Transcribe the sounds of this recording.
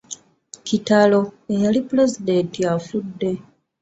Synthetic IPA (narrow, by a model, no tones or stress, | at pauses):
citalo̞ejalipuɾe̞zide̞ntiafudːe̞